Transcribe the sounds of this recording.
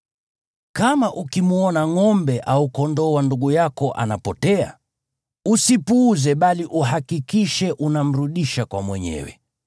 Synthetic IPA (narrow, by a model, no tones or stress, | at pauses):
kamaʔukimuɔnaŋɔmbɛʔaukɔndɔwanduɠujakɔʔa̰napɔtɛa̰ | usipuːzɛɓaliʔuɦakikiʃɛʔunam̩ɾuɗiʃakwamwɛɲɛ̰wɛ̰